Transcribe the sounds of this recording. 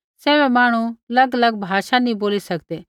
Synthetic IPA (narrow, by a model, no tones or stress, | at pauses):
sɛːβɛmaːɽ̃uɐlɐɡəlɐɡ̚bʱaːʃanĩboːlisɐkd̪eː